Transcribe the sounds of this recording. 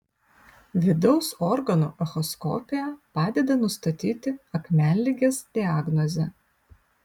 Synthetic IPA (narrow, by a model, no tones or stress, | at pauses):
ʋʲɪd̪ɐʊsɔɾɡɐnuːʔɐxɔskɔ̰ːpʲɪjɛpɑːd̪ʲɛd̪ɐnʊst̪ɐt̪ʲiːt̪ʲɪɐkmʲæˑnʲlʲiɡʲesd̪ʲɪaːɡnɔzʲɛ